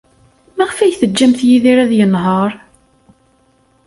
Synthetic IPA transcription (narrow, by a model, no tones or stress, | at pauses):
mæʁfæjθəd͡ʒːæmθjiðiɾæðjənɦəɾˤ